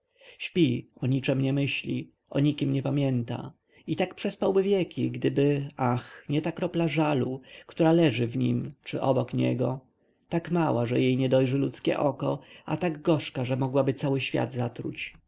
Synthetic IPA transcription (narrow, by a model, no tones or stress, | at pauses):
ɕpʲiɔɲit͡ʂɛmɲɛmɘɕlʲi | ʔɔɲikʲimɲɛpamʲjɛnt̪a̰ | it̪akpʂɛspawbɘvʲjɛkʲiɡd̪ɘbɘaxɲɛt̪akɾɔplaʐalukt̪uɾalɛʐɘvɲimt͡ʂɘʔɔbɔkɲɛ̰ɡɔ | t̪akmawaʐɛjejɲɛd̪ɔjʐɘlut̪skʲɛ̰ʔɔkɔa̰t̪aɡɡɔʂkaʐɛmɔɡwabɘt̪sawɘɕfʲja̰d̪zat̪ɾṵt͡ɕ